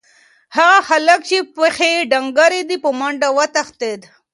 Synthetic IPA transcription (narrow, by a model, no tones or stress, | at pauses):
haɣaxaləkt͡ʃepexeɖaŋɡaɾed̪ipəmaɳɖawat̪axt̪ed̪